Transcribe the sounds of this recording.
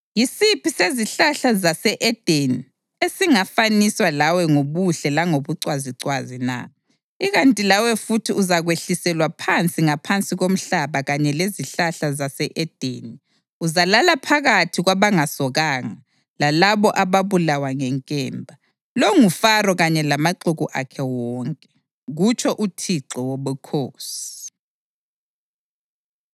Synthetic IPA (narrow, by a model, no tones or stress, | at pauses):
jisipʰiseziɬaɬazasɛʔɛd̥ʱeni | esiŋafaniswalawɛŋoβuɬɛlaŋoβuǀwaziǀwazina̰ | iɣantʼilawɛfutʰiʔuzaɣweɬisɛlwapʰant͡sʼiŋapʰant͡sʼiɣom̩ɬaβaɣaɲɛleziɬaɬazasɛʔɛd̥ʱeni | uzalalapʰaɣatʰiɣwaβaŋasɔɣaːŋa | lalaβɔʔaβaβulawaŋɛŋkʼɛːmbʱa | loŋufarɔɣaɲɛlamaǃuɣuʔa̰kʰɛwɔŋkʼɛ̥ | ɣut͡ʃʰʼɔʔutʰiǁɔwoβukʰoːsi̥